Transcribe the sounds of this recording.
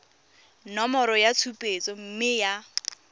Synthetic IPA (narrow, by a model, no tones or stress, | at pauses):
nɔmɔɾɔjat͡sʰupʼet͡sʼɔm̩mɪja